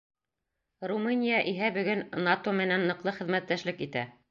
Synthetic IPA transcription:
rumɨnʲijaʔiɦæbɵ̆ɡɵnnɑt̪omɘ̆nænːɤ̆qlˠɤχɘ̆ðmæt̪ːæʃlɘkit̪æ

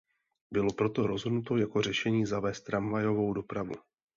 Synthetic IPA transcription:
bɪlo̞pɾo̞t̪o̞ɾo̞zɦodnut̪o̞jako̞r̝ɛʃɛɲiːzavɛːst̪ɾamvajo̞vo̞wdo̞pɾavṵ

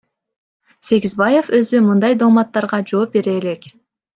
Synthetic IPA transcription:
se̞ɡʲizbɑje̞fø̞zymɯnd̪ɑjd̪olmɑt̪ːɑɾʁɑd͡ʒo̞ːp̚be̞ɾe̞ːle̞k

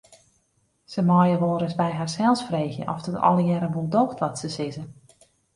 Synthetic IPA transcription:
səmɔjəʋoːɾəsbɛjɦarsɛlˠsfreːxjə̰ʔɔfd̥ɔtɔ̰lˠəjɛɾəʋolˠdowxtʋɔtsəsɪzə

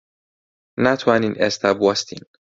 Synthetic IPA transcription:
næt̪ʰuæninest̪ʰæbuast̪ʰḭn

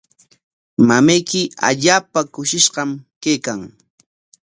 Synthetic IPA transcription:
mamajkɪa̰ʎaːpakʊʃɪʃɢɑmkejkaŋ

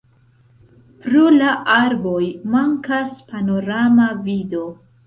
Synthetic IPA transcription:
pɾulaʔaɾbo̞jmaŋkaspano̞ɾamavido̞

